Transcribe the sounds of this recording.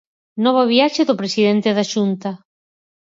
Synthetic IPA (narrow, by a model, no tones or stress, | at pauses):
nɔβ̞oβiaʃeðʊpɾesiðent̪eðaʃunt̪ɐ